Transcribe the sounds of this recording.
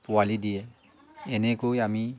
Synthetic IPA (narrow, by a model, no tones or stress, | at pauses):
pʊalidijɛ | ɛnɛkojami